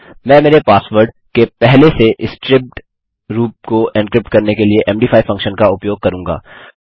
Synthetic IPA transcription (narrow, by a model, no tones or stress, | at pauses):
mɛ̃ːmeːɾepaːsʋəɾɖ | kepɛɦleseʔɪsʈɾɪp̚ʈ | ɾuːp̚koɛ̃nkɾɪp̚ʈkɐɾnekelieʔɛːmɖiːfʰaːifɐ̃ŋkʃənkaʊpjoːɡ̚kɐɾũːŋɡa̰ː